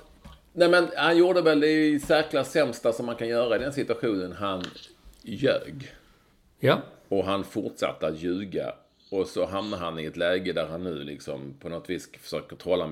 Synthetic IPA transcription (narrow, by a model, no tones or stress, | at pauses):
nɛːmɛnhanjuːɖəvɛld̪ɛsæɾklasɛmst̪asɔmːankʰanjœːɾaɪd̪ɛnsɪt̪ɵaɧuːnənɦan | jø̰ːɡ | ɔɦanfʊʈʂa̰t̪ːəat̪jʉ̟ːɡa̰ | ɔsɔɦamnaɾhanɪɛt̪lɛːɡəd̪æɾhanːʉ̟̰ːlɪksɔmpʰɔnɔt̪viːsfœ̥ʂøːkəɾt̪ʰɑːlːa